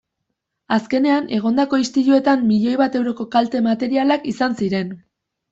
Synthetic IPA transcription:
aske̞ne̞ane̞ɣ̞o̞nd̪ako̞ist̪iʎue̞t̪amːiʎo̞jβat̪e̞wɾo̞ko̞kalt̪e̞mat̪e̞ɾialakisansiɾe̞n

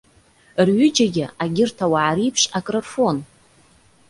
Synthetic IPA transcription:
rɥʏd͡ʒaɡʲɪaɡʲɪrtʰawaʕaɾipʰʂakʼrorfo̞n

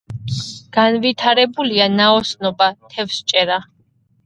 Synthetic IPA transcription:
ɡ̥anvit̪ʰaɾɛbulianaɔsnɔbat̪ʰɛfst͡ʃʼɛɾa

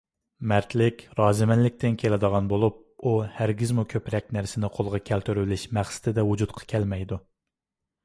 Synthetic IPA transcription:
mæɾt̪ʰlɪkʲɾɑːzɪmɛnlɪk̚ʲt̪ɪnkʲʰelɪd̪əʁɑnbolˠup̚uhæɾɡʲizmukʲʰøpɾɛk̚ʲnæɾsɪnɪqʰolˠʁɑkʲʰælt̪ʰyɾlɪʃmæχsɪ̥t̪ʰɪd̪ɛwud͡ʒut̪qʰɑ̥kʲʰɛlmɛjd̪u

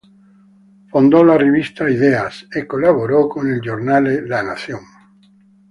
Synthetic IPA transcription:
fõnd̪olareβist̪aiðeasekolaβoɾokoneld͡ʒoɾnaleðanaθjõŋ

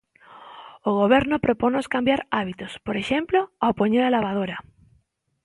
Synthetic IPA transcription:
oɣ̞oβ̞eɾnopɾoponoskambjaɾaβit̪ospoɾeʃemploaopoɲeɾalaβ̞að̞oɾa

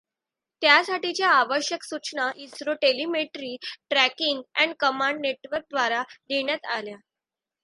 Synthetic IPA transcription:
t̪jasaʈit͡ɕjaːʋəɕjəksut͡ɕɳaʔisɾoʈelimeʈɾiːʈɾækiŋɡæɳkəmãɳɖneʈʋəɾk̚d̪ʋaɾad̪eɳjat̪alja

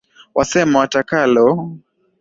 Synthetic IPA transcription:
wʔasɛmawatakalɔ

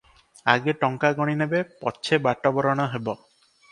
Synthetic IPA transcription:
a̰ɡeʈɔŋkaɡɔɽ̃inebepɔ̰t͡ʃʰebaʈɔbɔɾɔɽ̃ɔɦebɔ

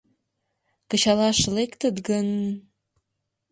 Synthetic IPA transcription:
kə̆ɕɑlɑʃlekt̪ət̪ɡən

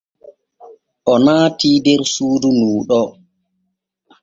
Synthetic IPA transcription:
ʔɔnaːtiːdɛɾsuːdunuːɗɔ

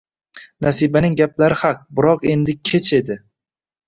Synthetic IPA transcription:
nasibanɪŋɡʲaplaɾɪhaq̚bɪɾɒqe̞nd̪ɪkʲʰet͡ʃʰe̞d̪ɪ

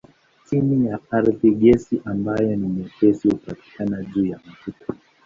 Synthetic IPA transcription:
timijaaɾðiɠɛsiʔambajɔnimɛpɛsihupati̥kanaʄuːjam̩tuta

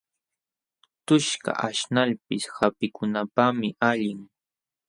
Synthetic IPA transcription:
t̪ʊʃka̰ʔaʃnaʎpɪshapɪkʊnapamɪʔaʎɪŋ

